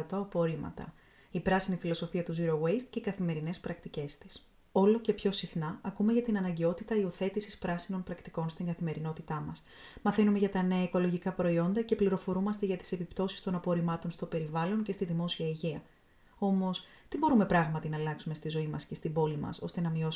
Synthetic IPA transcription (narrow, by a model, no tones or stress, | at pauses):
t̪oɐpo̞ɾimɐ̰t̪ɐ̰ | ipɾɐsinifilo̞so̞fiɐt̪uzuɾowejst̪̚ce̞ikɐθime̞ɾine̞spɾɐk̚t̪ice̞st̪i̥s | o̞lo̞ce̞pço̞sixnɐɐkume̞ʝɐt̪inɐnɐɲɟe̞o̞t̪it̪ɐioθe̞t̪isispɾɐsino̞npɾɐkt̪i̥ko̞nst̪iŋɡɐθime̞ɾino̞t̪it̪ɐmɐs | mɐθe̞nume̞ʝɐt̪ɐne̞ɐiko̞lo̞ʝikɐpɾo̞io̞nd̪ɐce̞pliɾo̞fo̞ɾumɐst̪e̞ʝɐt̪i̥se̞pipt̪o̞si̥st̪o̞nɐpo̞ɾimɐt̪o̞nst̪o̞pe̞ɾivɐlo̞ɲce̞st̪iðimo̞siɐiʝiɐ | o̞mo̞st̪ibo̞ɾume̞pɾɐɣmɐt̪inɐlɐksume̞st̪izo̞imɐsce̞st̪ibo̞limɐ̰so̞̰st̪e̞nɐmio̞s